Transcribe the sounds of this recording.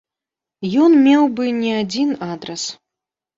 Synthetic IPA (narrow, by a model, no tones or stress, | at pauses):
jɔnmʲɛwbɨnʲɛad͡zʲinad̪ɾɐs